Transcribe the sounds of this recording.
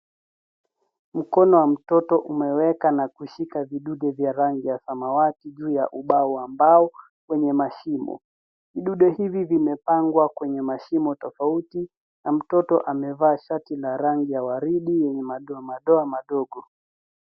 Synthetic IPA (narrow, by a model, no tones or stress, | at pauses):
m̩kɔnɔwam̩tɔtɔʔumɛwɛkanakuʃikaviɗuɗɛvjaɾaŋɡijasamawatiʄuːjaʔuɓauambaɔ | wɛɲɛmaʃimɔ̰ | viɗuɗɔhivivimɛpaŋɡwakwɛɲɛmaʃimɔtɔfauti | nam̩tɔtɔʔamɛvaːʃatilaɾaŋɡijawaɾiɗijɛɲɛmaɗɔamaɗɔamaɗɔɠɔ